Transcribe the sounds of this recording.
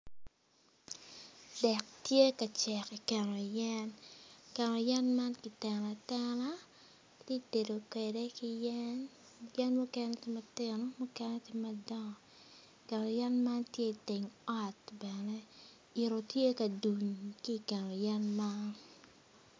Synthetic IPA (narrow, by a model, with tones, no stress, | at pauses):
d̥ɛ˨k̚tje˦ka˨t͡ʃɛ˨ki˨kɪ˨nɔ˨jɛ˦nkɛ˨nɔ˨jɛ˦nma˦nki˨tɛ˨na˨tɛ˦na˦ | te˦i˨te˨do˨ke˨de˦ki˦jɛn | jɛ˦nmu˦kɛ˦nɛtɪ˦ma˨tɪ˦no˦mɔ˦kɛ˦nɛ˦tɪ˦madɔ˦ŋɔ˨ | ikɪ˨nɔ˨jɛ˦nma˦ntje˦i˨tɪ˨ŋɔ˦tbɛnɛ˦ | ɪ˨ɾo˨tje˦ka˨du˨ɲki˦˨kɪ˨nɔ˨jɛ˦nma˦n